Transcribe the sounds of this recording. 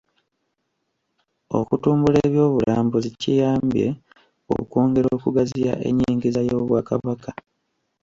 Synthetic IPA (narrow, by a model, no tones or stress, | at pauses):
o̞̰kutuːmbuleːβjo̞ːβulʔaːmbozicijaːmbje̞̰ | o̰koːŋɡe̞ɾoo̞ːkuɡazija̰ʔe̞̰ɲːiːŋɡizajo̞ːβwaːkaβaka